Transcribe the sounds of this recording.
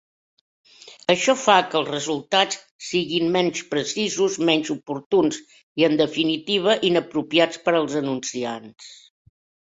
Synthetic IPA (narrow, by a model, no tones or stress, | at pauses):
əʃɔfakəlˠzrəzulˠt̪at͡s | siɣimmɛnspɾəsizuzmɛɲʲzupuɾt̪uns | iənd̪əfinit̪iβ̞əʔinəpɾupiat͡spəɾəlˠzənunsians